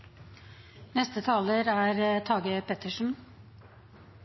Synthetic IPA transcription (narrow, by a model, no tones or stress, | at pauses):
nɛst̪ət̪ʰɑːləɾæːɾt̪ʰɑːɡəpʰɛt̪əʂn̩